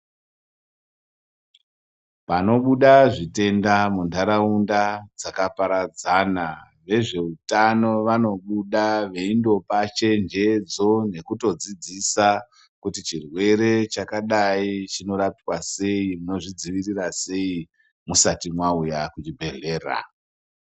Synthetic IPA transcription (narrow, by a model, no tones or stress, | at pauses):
pano̞ɓuɗaʐite̞ndamundaɾaundad͡zakapaɾad͡zana | ʋe̞ʐe̞utano̞ʋano̞ɓuɗaʋe̞indo̞pat͡ʃe̞nd͡ʒe̞d͡zo̞ne̞kuto̞d͡zid͡zisa | kutit͡ʃirwe̞ɾe̞t͡ʃakaɗait͡ʃino̞ɾapiwase̞imuno̞ʐid͡ziʋirirase̞i | musatimwaujakut͡ʃibʱe̞ɮe̞ːra̰